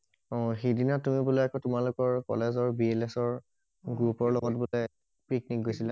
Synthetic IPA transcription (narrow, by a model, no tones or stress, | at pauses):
ɔ̃xedinatːumibulɔakɔtʊmalʊkɔɹkɔ̰lezɔɹbielesɔɹ | ɡɹupɔɹlɔɡɔt̚bulɛ | piknik̚ɡojsila